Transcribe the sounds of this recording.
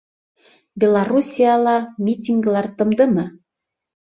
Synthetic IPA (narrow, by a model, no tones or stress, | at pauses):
bʲelˠarusʲijɑlˠɑmʲitʲiŋɡlˠɑrt̪ɤ̆md̪ɤ̆mɤ̆